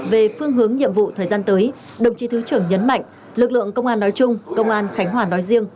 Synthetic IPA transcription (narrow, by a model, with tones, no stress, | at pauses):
ve˨˩fɨ˧əŋɦɨ˨˦əŋɲḭ˧˨əmvṵ˧˨t̪ʰəː˨˩jzaː˧nt̪əː˨˦j | ɗə˨˩wŋ͡mt͡ɕi˨˦t̪ɨ˨˦t͡ɕɨ˧˩əŋɲə˨˦nma̰˧˨jŋ̟ | lɨ˨˩k̚lɨ̰˧˨əŋkə˧wŋ͡mʔaː˧nːɔ˨˦jt͡ɕʊ˧ŋ͡mkə˧wŋ͡mʔaː˧nxa˨˦jŋ̟ɦwaː˨˩nɔ˨˦jzi˧əŋ